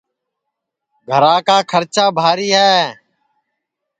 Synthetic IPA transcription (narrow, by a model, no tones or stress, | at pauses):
ɡʱəɾãːkaːkʰəɾt͡ʃaːbʱaːɾiːɦɛː